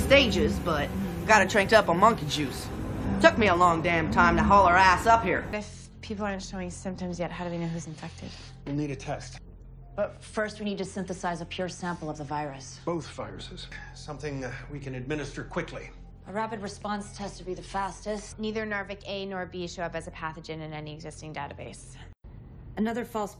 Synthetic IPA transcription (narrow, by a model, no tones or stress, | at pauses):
steɪd͡ʒɪzbʌt̚ɡɑɾɨtʰɹ̥ɛ̃ŋk̚tʌpəmʌ̃ŋkɨd͡ʒʉstʰʊk̚miəlɔ̃ŋdæ̃mtʰãɪ̃mtɨɦɔlˠə˞æsʌphiɹɪf | pʰipl̩ˠɑɹntʃoʊɪ̃ŋsɪ̃mp̚tɨ̃mzjɛt̚ɦaʊɾɨweɪnoʊɦʉzɨ̃ɱfɛk̚tɨ̰d̥ | wilˠniɾɨtʰɛst | b̥ʌt | fɜ˞st̚winid̚tɨsɪ̃nθɨsaɪzəpʰj̥ʊɹsæ̃mpl̩ˠʌvðəvaɪɹɨsb̥oʊθv̥aɪɹɨ̰sɨz̥sʌ̃mθɪ̃ŋwikɨ̃nɨd̚mɪ̃nɨstə˞kʰw̥ɪkʰli | ʔəɹæpɨd̚ɹɨspɑ̃nstʰɛz̥tʰɨbiðɨfæstɨstniðə˞nɑɹvɨkeɪnɔɹbiʃʌpɨzɨpʰæθɨd͡ʒɨ̃nɨ̃nɛniɨɡzɪstɪ̃ŋdeɪɾɨbeɪs | ɨnʌðə˞fɔlˠs